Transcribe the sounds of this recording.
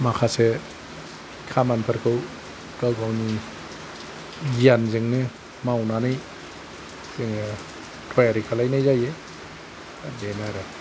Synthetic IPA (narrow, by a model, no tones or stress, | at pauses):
makʰase | kʰamanpʰɯɾkʰɯw | ɡ̥awɡawni | ɡijanzɯŋnɯ | mawnanɯj | z̥ɯŋɯ | tʰɔjaɾikʰalajnajzaje | adenaɾɯ